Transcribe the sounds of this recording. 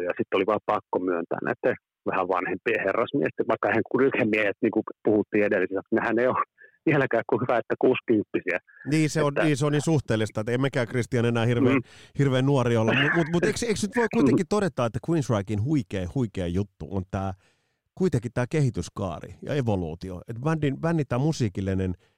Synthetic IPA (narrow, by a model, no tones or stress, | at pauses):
jɑsit̪ːoliʋɑːpɑkːomyønt̪æ̰ːnæ̰it̪ːe | ʋæhæʋʋɑnhempieherːɑsmiest̪ʋɑikːɑeheŋkurykemmiehet̪niːŋkupuhut̪ːiːedelːisisæksnehæneio | iælækæːkkuhyʋæet̪ːækuːskympːisiæ | niːseonːniːseoniːnsuht̪eːlːist̪ɑet̪ːæemmækæːkrist̪iɑnenæːhirʋeːnhirʋeːnnːuoriolːɑmmumut̪mut̪eikseiksnyt̪ʋoikuit̪ekitt̪odet̪ːˑɑːet̪ːækwinsrɑikinhuikeːhuikeːjut̪ːṵʔont̪æː | kuit̪eŋkːˑit̪æːkehit̪yskɑ̰ːrḭjɑ̰eʋolṵːt̪io̰et̪ʋændinʋænːit̪ːæːmusiːkilːinen